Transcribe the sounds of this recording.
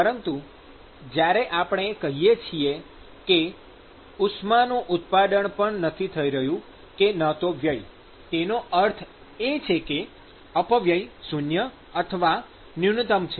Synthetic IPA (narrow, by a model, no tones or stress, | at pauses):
pəɾənt̪u | d͡ʒjaɾeʔapəɳ̃ekəɦijet͡ʃʰie | ke | usmanũʔʊt̪pad̪əɳpəɳnət̪ʰit̪ʰəiɾəɦjũ | kenət̪oʋjəj | tenoʔəɾt̪ʰ | et͡ʃʰeke | əpəʋjəjsunjə | ət̪ʰəʋa | nint̪əmt͡ʃʰe